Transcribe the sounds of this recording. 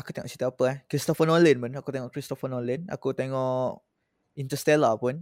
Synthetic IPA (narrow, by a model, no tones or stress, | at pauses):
aku̥t̪eŋɔ̰ʔt͡ʃi̥t̪uapəɛkɾist̪ɔfənɔlinpʊnakut̪eŋɔʔkɾist̪ɔfənɔlina̰kut̪eŋɔʔʔ | int̪əst̪ɛlapʊn